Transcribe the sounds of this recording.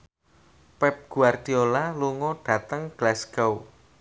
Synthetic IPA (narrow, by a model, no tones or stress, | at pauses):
pɛp̚ɡ̥ṳard̪̥iolaluŋɔɖ̥ä̤t̪əŋɡ̥lasɡ̥aw